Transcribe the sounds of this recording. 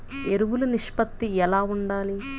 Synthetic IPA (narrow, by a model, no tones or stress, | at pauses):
eɾuʋuluniʂpɐt̪ːiɛlaːuɳɖaːli